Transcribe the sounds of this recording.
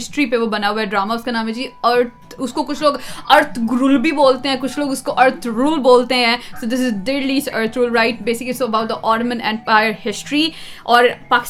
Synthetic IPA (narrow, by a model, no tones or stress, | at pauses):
sʈɾipeʋobɐnaːuɛɖɾaːmaʊskanaːmẽd͡ʒiːɐɾt̪ | ʊskokʊt͡ʃʰloːɡɐɾt̪ʰɡɾulbʱiboːlt̪eɦɛ̃ːkʊt͡ʃʰloːɡʊskoʔɐɾt̪ʰɾuːlboːlt̪eɦɛ̃ːsoːd̪ɪs̬ɪzdeːɾliːsəɾt̪ʰɾuːlɾaɪʈ̚beːsɪklisoɐbaʊʈ̚d̪əʔɔːnmə̃nɛ̃mpaɪəɾhɪsʈɾiʔɔːɾpaːkɪ̥s